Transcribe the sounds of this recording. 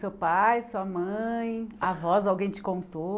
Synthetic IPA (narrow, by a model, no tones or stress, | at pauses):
sewpajsuɐmɐ̃j̃avɔzawɡẽj̃t͡ʃɪ̥kõnt̪o